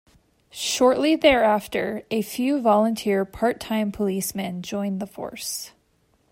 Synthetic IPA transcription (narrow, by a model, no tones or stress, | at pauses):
ʃɔɹʔˡliðɛ˞æftə˞ɨfjʉvɑlˠə̃ntʰɪɹpʰɑɹtʰãɪ̃mpʰəlismɨ̃nd͡ʒɔ̃ɪ̃nðəfɔ̰ɹs